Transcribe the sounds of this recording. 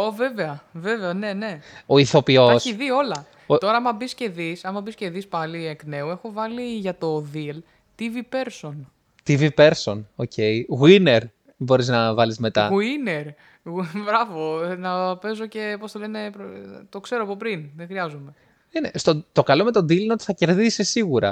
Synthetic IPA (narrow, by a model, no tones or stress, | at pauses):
ove̞veɐve̞veɐne̞ne̞oiθo̞pio̞siðio̞lɐ | ot̪o̞ɾɐɐmɐbisce̞ðisɐmɐbisce̞ðispɐliekne̞ue̞xo̞vɐliʝɐt̪o̞ðil | t̪ivipe̞ɾso̞n | t̪ivipe̞ɾso̞nocʰe̞iɣwine̞ɾ | bo̞ɾiznɐvɐlizme̞t̪ɐɣuineɾ | bɾɐvo̞nɐpe̞zo̞ce̞post̪ole̞ne̞pɾot̪o̞kse̞ɾoɐpopɾinðexɾiɐzume̞ | enest̪ot̪o̞kɐlo̞me̞t̪o̞nd̪ilineot̪i̥θɐce̞ɾðisisiɣuɾɐ̰